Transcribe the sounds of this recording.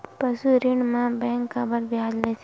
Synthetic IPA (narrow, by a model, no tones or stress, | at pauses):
pəsuɾɪɳmãbɛ̃ŋkːabəɾbjad͡ʒlɛt͡ʃʰ